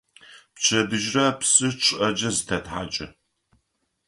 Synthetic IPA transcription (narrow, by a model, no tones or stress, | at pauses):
pt͡ʃʰɐbɨʒrɐpsɨʈ͡ʂʼʔɐd͡ʒɐzɨtʰɐtħaːt͡ʃʼɐ